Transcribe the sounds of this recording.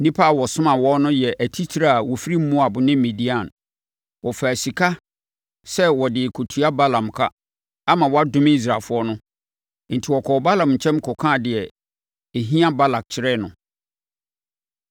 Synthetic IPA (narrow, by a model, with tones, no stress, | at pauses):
nĩ˦pʰa˦a˨wɔ˨sʊ̃˦mã˨wɔ˦nʊ̃˦jɛ˨ʔæ˨tʰi˦t͡ɕʰi˨˦ɾa˦a˨wɔ˨fi˦ɾi˦m̩˦mũ˦a˨bʊ˨nɪ̃˦mĩ˨di˦ã˨n | wɔ˨fa˨si˨kʰa˦ | sɛ˦wɔ˨dɪ˨kʰo˨tʰu˨˦a˦ba˦lã˨mkʰa̰˦ | a˦mã˨wɔ˦a˦dʊ̃˦m˦i˦s̬ɾa˨fʊ˦ɔ˦nʊ̃˦ | n̩˨tʰɪ˨wɔ˨kʰɔ˨ba˦lã˨mɲ̩˨t͡ɕʰɛ̃˦mkʰɔ˨kʰãː˦˨dɪ˨ɛ˨ | e˨ɦĩ˦ã˦ba˦la˨k̚t͡ɕʰɪ˦ɾɛ˦nʊ̃˨